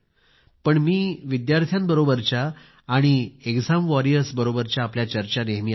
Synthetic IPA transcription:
pəɳmiːʋid̪jaɾt̪ʰjambəɾobəɾt͡ɕaː | ɽ̃iekd͡zamʋɔɾiəsbəɾobəɾt͡ɕjaːpljat͡ɕəɾt͡ɕaneɦmiː

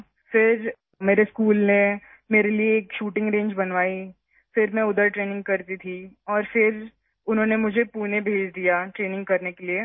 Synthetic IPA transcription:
fɪɾ | meːɾeskuːlne | meːɾelieːkʃuːʈɪ̃ŋɡɾẽːɲd͡ʒbɐnʋaːi | fɪɾmɛ̃ʊd̪əɾʈɾeːnɪ̃ŋɡ̚kɐɾt̪it̪ʰiɔːɾfɪɾ | ʊnɦõːnemʊd͡ʒʱepuːnẽbʱeːd͡ʒd̪ijaʈɾeːnɪ̃ŋɡ̚kɐɾnekelie

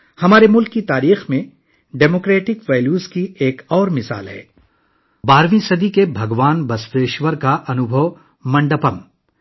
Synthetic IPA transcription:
hɐmaːɾemʊlkːit̪aːɾiːxmẽ | ɖeːmoːkɾeːʈɪkʋɛːljuːzkieːkɔːɾmɪsa̰ːlɦɛ̰ː | baːɾʋĩsɐd̪ikebʱɐɡʋaːnbɐst̪eːʃʋəɾkaʔɐnʊbʱəʋ | mɐ̃ɳɖəpɐm

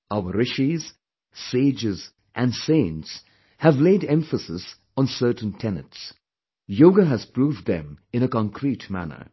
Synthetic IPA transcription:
ʔaʊəɹɪʃiz̥ | seɪd͡ʒɪz | ʔæ̃nsẽɪ̃ns | hævleɪdɛ̃ɱfəsɪs | n̩sɜ˞tn̩tʰɛnə̰̃ts | joːɡəɦɨz̥pɹuːvd̪ðɨ̰̃mɨ̃nəkɑ̃ŋkʰɾitmæ̰nə̰˞

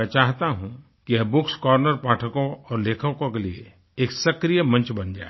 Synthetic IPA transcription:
ɛt͡ʃaːɦt̪aɦũ | kijɐbʊkskɔːɾnəɾpaːʈʰəkõɔːɾleːkʰəkõkelie | eːksɐkɾijəmɐ̃nt͡ʃbɐnd͡ʒa̰ːe

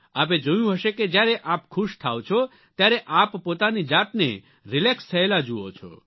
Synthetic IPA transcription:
aːp̬ed͡ʒojũɦəʃeked͡ʒjaɾeʔaːpkʰʊʃt̪ʰa̰ːwt͡ʃʰɔ | t̪jaːɾeʔaːppoːt̪anid͡ʒaːt̪nḛ | ɾɪlekst̪ʰəelad͡ʒuot͡ʃʰɔ̰

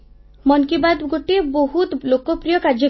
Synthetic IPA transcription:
mɔnkibad̪ɡoʈeboɦut̪lokɔpɾijɔkaɾd͡ʒɔ

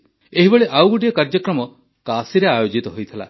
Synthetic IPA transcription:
eɦibeɭeʔawɡuʈijɔkaɾd͡ʒɔkɾɔmɔ | kasiɾeajod͡ʒit̪ɔɦojt̪ʰila̰

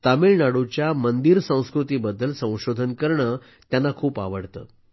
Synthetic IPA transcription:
t̪ameɭnaɽut͡ɕjamənd̪iɾsə̃w̃skɾut̪iːbəd̪ːəlsə̃w̃ɕod̪ʱənkəɾɳəː | t̪janːakʰuːpaʋəɽt̪ə̰ː

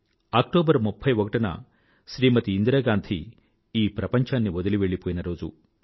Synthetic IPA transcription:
aːk̚ʈoːbɐɾmupʰːɐjʋɔkɐʈɐnɐ̰ | ʃɾiːmɐt̪iːnd̪ɾɐɡaːnt̪ʰi | iːpɾɐpɐɲt͡ʃʰaːnːiʋɔd̪ɐliʋeɭːipoːjinɐɾoːd͡ʒu

